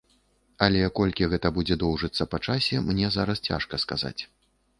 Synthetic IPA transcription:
ɐlʲɛakɔlʲkʲiɣɛt̪ɐbud͡zʲɛd̪ɔwʐɨt̪sːɐpat͡ʂasʲɛmnʲɛzaɾɐst͡sʲa̰ʂkɐskaza̰t͡sʲ

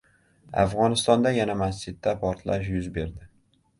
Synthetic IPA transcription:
a̰fʁɒnɪst̪ɒnd̪ajanamast͡ʃɪd̪ːapʰɒɾt̪ʰlaʃ̬jʊzbe̞ɾd̪ɪ

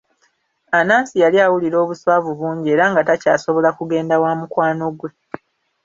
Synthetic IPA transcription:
anaːnsijaliawuliɾo̞ːβuswaːvuβuːɲɟie̞ːɾaŋɡatacaːso̞βo̞lakuɡe̞ːndawaːmukwaːno̞ɡwe̞

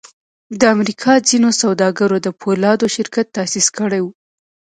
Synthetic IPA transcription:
d̪əamɾikʰɑd͡zinosawd̪ɑɡaɾod̪əpʰolɑd̪oʃɪɾkat̪ːasiskəɽajwu

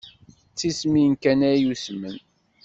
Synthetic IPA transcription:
t͡sːisminkænæjusmən

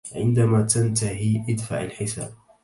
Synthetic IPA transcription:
ʕɪ̰nd̪amaːt̪ant̪aɦiːʔɪd̪fa̰ʕalħɪsa̰ːb̚

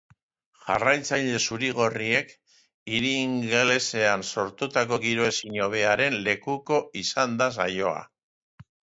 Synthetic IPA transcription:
ʝa̰rajt͡saʎe̞suɾiɣ̞o̞rie̞k | iɾiːŋɡele̞se̞anso̞ɾt̪ut̪ak̬o̞ɣiɾo̞e̞siɲo̞β̞e̞aɾe̞nle̞kuko̞isand̪as̬a̰jo̞̰a̰

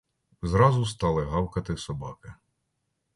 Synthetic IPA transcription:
zɾɑzʊst̪ɑlˠɪɦɑwkɐt̪ɪsɔbɑkɪ

